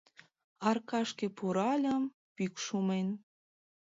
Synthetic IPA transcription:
ɑrkɑʃkĕpuɾɑlʲəm | pykʃumen

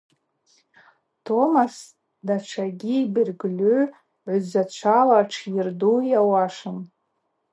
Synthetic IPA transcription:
tʰo̞mas | dat͡ʃʷʰaɡʲiːbɨrɡlø | ʕʷʊzat͡ɕʷʰalaʈ͡ʂʰjɪrdujawaʂɨn

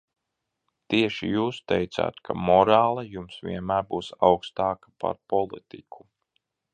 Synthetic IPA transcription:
t̪iɛʃijuːst̪ɛjt̪sa̰ːt̪kʰamɔɾaːlˠɐjumsvʲḭɛnmæːɾbuːsawkst̪ɑːkḁpa̰ɾpɔlˠit̪ikʰu̥

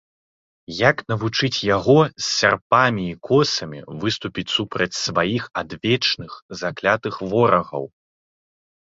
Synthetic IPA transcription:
jaknɐvut͡ʂɨt͡sʲjaɣɔsʲːarpamʲiːkʰɔsɐmʲḭvɨst̪upʲit͡sʲsupɾɐt͡sʲsvajixad̪vʲɛt͡ʂnɨxzaklʲat̪ɨxvɔɾɐɣɐ̰w

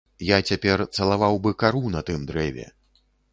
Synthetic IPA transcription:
jat͡sʲapʲɛrt̪sɐlˠavawbɨkaɾunɐt̪ɨmd̪ɾɛvʲɛ̰

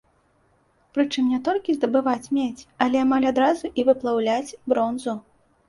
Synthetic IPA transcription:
pɾɨt͡ʂɨmnʲɛt̪ɔlʲkʲizd̪ɐbɨvat͡sʲmʲet͡sʲɐlʲɛamalʲad̪ɾazuʔivɨplˠawlʲat͡sʲbɾɔnzu

